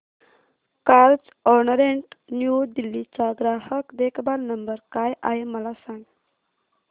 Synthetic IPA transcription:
kaɾd͡z | ɔɾnəɾeɳʈnjud̪ilːit͡saɡɾaɦəkd̪ekʰbalnəmbəɾkajʔaɦeməlasaŋɡ

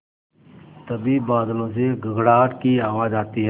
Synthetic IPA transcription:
t̪əbibaːd̪lõs̬eɡəɡɽaːʈkiaːʋad͡ʒaːt̪iɦ

